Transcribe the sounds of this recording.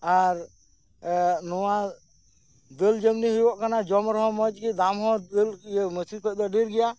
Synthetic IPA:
aɾ | nɔwa | d̪əld͡ʒəmniɦibɔʔkanad͡ʒɔmɾɔɦɔ̃mɔt͡ʃkid̪amɦɔ̃d̪əlməsipɔd̪ɔɖiɾɡɛja

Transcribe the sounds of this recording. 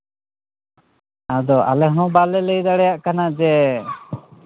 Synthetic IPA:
ad̪ɔʔa̰lɛɦnɔ̃balɛlɛjd̪aɽɛjaʔkanad͡ʒɛ

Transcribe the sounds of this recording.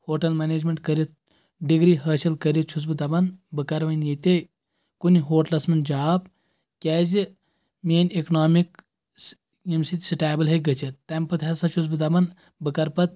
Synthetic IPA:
hoːʈɐlmeneːd͡ʒmeɳʈkɐɾʲit̪̚ | ɖiɡɾiɦɐːʃɐlkɐɾit͡ʃʰus̬bɨt̪ɐbɐnbɨkɐɾʋɐnjet̪e | kuniɦoːʈlɐsmɐnd͡ʒaːp | kʲɛːzi | meːneknaːmik | imsit̪ʲsiʈaːbɐlɦɐɡɐt͡ʃɐt̪ːɐmpɐt̪ʰɐsɐt͡ʃʰus̬bɨt̪ɐbɐn | bɨkɐɾpɐt̪̚

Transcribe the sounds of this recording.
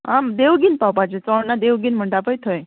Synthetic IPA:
ɦãd̪eʋɡiːnpawpat͡ɕet͡sɔɭnad̪eʋɡiːnm̤əɳʈapəjt̪ʰəj

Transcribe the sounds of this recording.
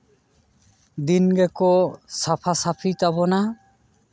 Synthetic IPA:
d̪inɡɛkɔsapʰasapʰit̪abɔna

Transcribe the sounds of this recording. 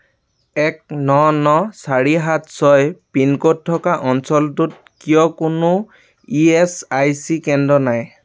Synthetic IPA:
ɛk̚nɔnɔsaɹiɦatsɔjpinkɔtʰːɔkaʔɔnsɔltut̚kijɔkʊnʊ | iɛsajsikɛndɔnaj

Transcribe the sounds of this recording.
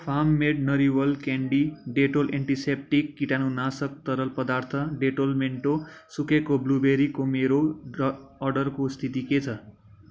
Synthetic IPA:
pʰamːeɖ̚nʌɾiwʌlkɛɳɖiɖeʈolʔeɳʈisep̚ʈikːiʈanunasək̚t̪ʌɾəlpʌd̪aɾt̪ʰʌɖeʈolmeɳʈosukekoblubeɾikomeɾoː | ɖʌɾkost̪ʰit̪iket͡sʰʌ

